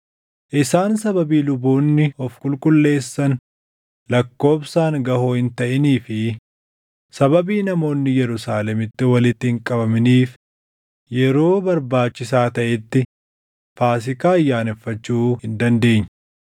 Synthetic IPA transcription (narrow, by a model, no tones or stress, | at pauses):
ʔɪsaːnsɐbɐbiːlʊbuːnːɪɔfkʼʊlkʼʊlːe̞ːsːɐn | lɐkːo̞ːbsaːŋɡɐhoːhɪnt̪ɐʔɪniːfɪ | sɐbɐbiːnɐmo̞ːnːɪjɛɾʊsaːlɛmɪt̪ːɪwɐlɪt̪ːɪɪŋkʼɐbɐmɪniːf | jɛɾo̞ːbɐɾbaːt͡ʃːɪsaːt̪ɐʔɛt̪ːɪ | faːs̬ɪkaːɐjːaːnɛfːɐt͡ʃːuːhɪnd̪ɐnd̪e̞ːɲː